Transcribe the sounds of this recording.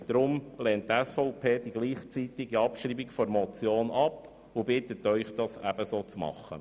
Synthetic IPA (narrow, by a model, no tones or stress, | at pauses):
d̪̥ɾʊmlɛːnttɛsfɔʊpʰeːd̥̪iɡ̥liːχt͡sit̪ɪɡiɑpʃɾiːbikfɔɾmɔt͡sjoːnɑp | ʊbɪt̪ət̪œʏχd̥̪ɑsæb̥əsoːt͡smɑ̰χːə̰